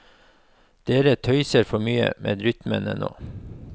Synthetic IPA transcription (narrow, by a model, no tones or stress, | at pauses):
d̪̥eːɾət̪ʰœʏsəɾfɔmyːə̰mʔḛːd̪ɾʏt̪mənə̰no̰ː